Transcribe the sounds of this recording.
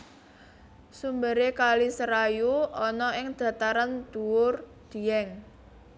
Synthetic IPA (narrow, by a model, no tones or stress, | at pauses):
sumbəɾekalisəɾajuɔnɔɪŋd̪̥ä̤t̪aɾand̪̥ṳwʊrd̪̥i̤ɛŋ